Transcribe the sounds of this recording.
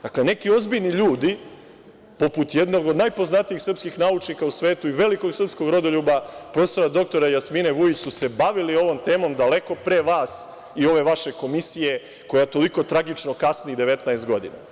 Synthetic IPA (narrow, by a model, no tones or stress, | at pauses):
d̪akle̞ne̞kio̞zbiʎniʎuːd̪i | po̞put̪jed̪no̞ɡo̞d̪najpo̞znat̪ijixsr̩pskixnaut͡ʃnikausʋe̞ːt̪uiʋe̞liko̞ɡsr̩psko̞ɡɾo̞d̪o̞ʎuːbapɾo̞feso̞ɾad̪o̞k̚t̪o̞ɾajasmineʋujit͡ɕsuse̞baʋilio̞ʋo̞mt̪e̞ːmo̞md̪ale̞ko̞pɾe̞ːʋaːs | io̞ʋe̞ʋaʃe̞ko̞misije̞ | ko̞jat̪o̞liko̞t̪ɾaɡit͡ʃno̞kasniid̪e̞ʋe̞t̪naest̪̚ɡo̞d̪ḭna̰